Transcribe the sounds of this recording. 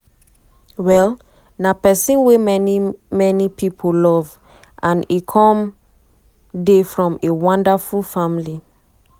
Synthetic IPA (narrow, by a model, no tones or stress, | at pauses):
wɛl | napɛsĩnwe | mɛnipʰipʰolɔv | ʔãnikʰɔ̃m | defɹɔ̃mewɔ̃ndafulfamili